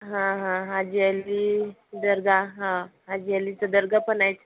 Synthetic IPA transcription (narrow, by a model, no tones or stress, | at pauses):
ɦãɦãɦad͡ʑialid̪əɾɡaɦãɦad͡ʑialit͡sad̪əɾɡapənajt͡s